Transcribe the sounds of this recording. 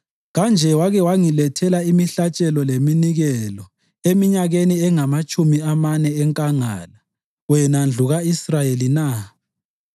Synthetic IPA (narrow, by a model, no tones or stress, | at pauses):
ɣand͡ʒʱɛwaɣɛwaŋilɛtʰɛlaimiɬat͡ʃʼɛlɔleminiɣɛlɔ | emiɲaɣeniɛŋamat͡ʃʼumiamanɛːŋkʼaŋa̰ːla | wɛnand͡ɮʱuɣaisrajelina